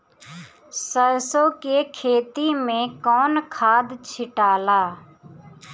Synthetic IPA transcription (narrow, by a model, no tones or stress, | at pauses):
səɾsoːkeːkʰeːt̪iːmẽːkɔːnkʰaːd̪t͡ʃʰɪʈaːlaː